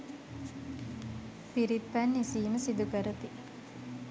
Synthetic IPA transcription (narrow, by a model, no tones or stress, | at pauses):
piɾip̪ːænːisiːməsid̪ukəɾət̪i